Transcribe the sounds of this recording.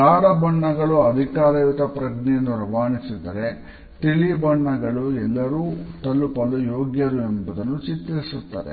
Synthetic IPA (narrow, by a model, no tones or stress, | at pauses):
aːɾɐbɐɳːɐɡɐɭuɐd̪ʱikaːɾɐjut̪ɐpɾɐɡnɛjɐnːuɾɐʋaːnisid̪ɐɾe̞ | t̪iɭibɐɳːɐɡɐɭuɛlːɐɾuːt̪ɐlːupɐlujoːɡjɐɾuembud̪ɐnːut͡ʃit̪ːɐɾisut̪ːa̰ːɾe